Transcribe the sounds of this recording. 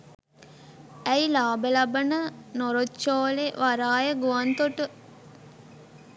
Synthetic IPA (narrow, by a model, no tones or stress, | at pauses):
æjlaːbəlabənənoɾotːt͡ʃoːleʋaɾaːjəɡuʋant̪oʈə